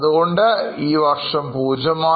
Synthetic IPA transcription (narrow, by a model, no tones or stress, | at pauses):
ðuɣo̞ɳɖɨiːʋɐrʂɐmpuːd͡ʑɐmaː